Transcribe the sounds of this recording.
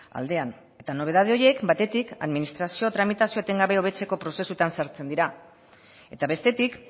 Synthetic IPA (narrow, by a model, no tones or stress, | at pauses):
a̰ld̪e̞an | e̞t̪ano̞β̞e̞ðað̞eo̞ɾje̞kbat̪e̞t̪ika̰ðminist̪ɾasio̞t̪ɾamit̪asio̞et̪e̞ŋɡaβe̞o̞β̞e̞t͡se̞ko̞pɾo̞se̞sut̪ansaɾt͡se̞nd̪iɾa | e̞t̪aβe̞st̪e̞t̪ik